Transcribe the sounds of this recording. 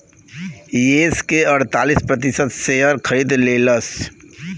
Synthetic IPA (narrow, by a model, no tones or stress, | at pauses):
jeːskeɐɾt̪aːlispɾɐt̪ɪsət̪seəɾkʰɐɾiːd̪leːləs